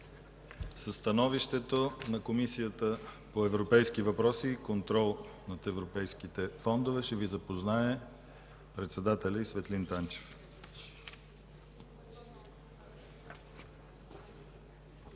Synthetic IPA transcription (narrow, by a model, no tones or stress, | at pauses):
sɐst̪ɐnɔviʃt̪ɛt̪onɐkomisijət̪ə | poɛvɾopɛjsk̟ivɐpɾɔsiːkont̪ɾɔlˠ | nɐt̪ɛvɾopɛjskit̪ɛfɔnd̪ovɛʃɛvizɐpoznaɛ | pɾɛt̪sɛd̪at̪ɛlʲəisvɛt̪lint̪ant͡ʃɛ̥f